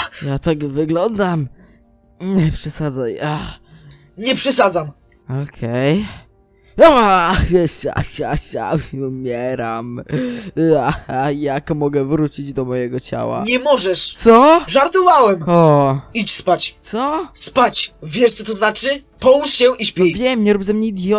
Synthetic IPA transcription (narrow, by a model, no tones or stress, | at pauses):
jat̪aɡvɘɡlɔnd̪am | ɲɛpʂɛsad̪zaja | ɲɛpʂɛsad̪zam | ɔkʰɛj | ɔjɛɕa̰ɕja̰ɕa̰umʲjɛɾam | aajakmɔɡɛvɾut͡ɕid͡ʑd̪ɔmɔjɛɡɔt͡ɕa̰wa̰ɲɛmɔʐɛʂt̪sɔʐaɾt̪ɔvawɛmɔit͡ɕspat͡ɕ̪sɔspat͡ɕvʲjɛʂt̪sɔt̪ɔznat͡ʂɘpɔwuʂɕɛʔiɕpʲɔivʲjɛmɲɛɾubzɛmɲeid̪ʲjɔ